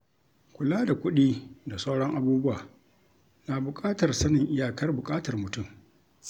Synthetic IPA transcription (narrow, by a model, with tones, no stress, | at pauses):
kʷʊ˨laː˦da˨kʷʊ˦ɗiː˦da˨sa˦wɽɔ˦ŋʔa˦buː˦bʊ˦waː˨ | naː˨bʊ˨kʼaː˦tɐ˨rsɐ˦nɪ˨ŋʔɪ˦jaː˨kɐ˦rbʊ˨kʼaː˦tɐ˨rmʊ˨tʊ˦˨m